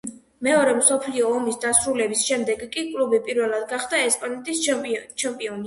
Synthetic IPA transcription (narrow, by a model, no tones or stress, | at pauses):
mɛɔɾɛmsɔpʰliɔːmisd̪asɾulɛbisʃɛmd̪ɛɡkʼikʼlˠubipʼiɾvɛlˠad̪ɡaχd̪aɛspʼanɛt̪ʼist͡ʃʰɛmpʼiɔni